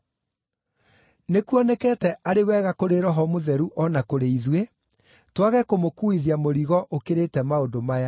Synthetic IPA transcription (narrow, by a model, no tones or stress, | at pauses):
nekuɔnɛkɛtɛʔaɾewɛɣakoɾeɾɔɦɔmoðɛɾuʔɔnakoɾeiðwe | twaɣɛkomokuiðiamoɾiɣɔʔokeɾetɛmaondomaja